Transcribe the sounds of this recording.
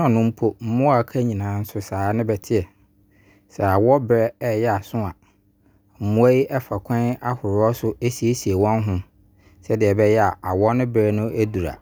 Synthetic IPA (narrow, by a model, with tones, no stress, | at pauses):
ɔ̃˨nʊ̃˦m̩˦pʰo˦m̩˦mʊ̃˦a˨kʰa˦ɲĩ˨nãː˨˦n̩˦sʊ˦saː˨˦nɪ̃˦bɛ˨tʰɪ˦ɛ˨ | sɛ˨a˨wɔ˦bɛ˦ɛ˦jɛ˦a˨sʊ̃˦a̰˨ | m̩˨mʊ̃˦æ˦ji˦ʔɛ˦fa˨kʷʰɛ̃˦na˦hʊ˨ɾʊ˨˦ɔ˦sʊ˦e˦si˨e˦si˨e˨wɔ̃˦nɦʊ̃˦ | sɛ˦dɪ˨ɛ˨bɛ˦jɛ˦a˨a˨wɔ˦nʊ̃˦bɾɛ˦nʊ̃˦ʔæ˦du˨ɾa̰˨